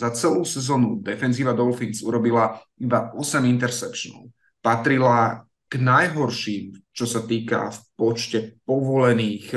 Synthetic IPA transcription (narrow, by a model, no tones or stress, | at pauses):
zat͡sɛluːsɛzɔːnud̪ɛfɛnziːʋad̪ɔlfiŋsuɾɔbila | ibaɔsɛmint̪ɛɾsɛkʃnɔ̰ʊ | pat̪ɾila | ɡ̥najɦɔɾʃiːmt͡ʃɔsat̪iːka̰fpɔt͡ʃcɛpɔʋɔlɛniːx